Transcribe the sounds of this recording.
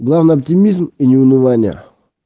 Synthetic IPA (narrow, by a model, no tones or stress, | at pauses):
ɡlˠavnɨjɐptʲɪmʲizminʲɪʊnɨvanʲɪjə̰